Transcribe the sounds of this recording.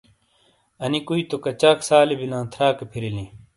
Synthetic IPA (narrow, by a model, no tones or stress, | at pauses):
ɐnikuit̪okɐt͡ɕaːksaːlebinãːt̪ʰɾaːkepʰiɾilĩ